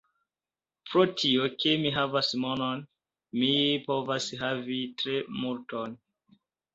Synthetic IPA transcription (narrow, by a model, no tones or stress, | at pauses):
pɾotʰioke̞miɦavasmonon | mipo̞vasɦavitɾe̞multon